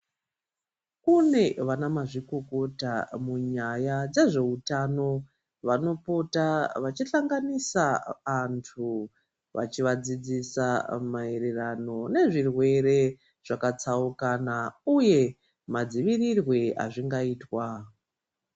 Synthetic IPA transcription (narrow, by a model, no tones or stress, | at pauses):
kune̞ʋanamaʐiko̞ko̞tamuɲajad͡ze̞ʐe̞utano̞ | ʋano̞potaʋat͡ʃiɬaŋɡanisaantʰu | ʋa̰t͡ʃiʋad͡zid͡zisa̰maeɾerano̞ne̞ʐirwe̞ɾe̞ | ʐ̥akat͡saukanauje̞ | mad͡ziʋirirwe̞a̰ʐiŋɡaiːtwa